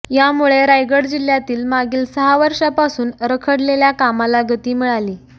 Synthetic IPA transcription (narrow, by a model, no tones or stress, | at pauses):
jamuɭeɾajɡəɽd͡ʑil̤jat̪iːlmaɡiːlsəɦaʋəɾʂapasuːnɾəkʰəɽleljakamalaɡʱət̪iːmiɭaliː